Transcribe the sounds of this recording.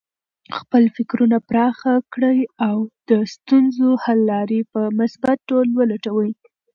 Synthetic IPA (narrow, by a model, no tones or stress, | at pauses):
xpəlfɪkɾunapɾɑxakɽəjawd̪̥əst̪unzohalːɑɾepəmʊsbat̪̚ːolwəlaʈawəj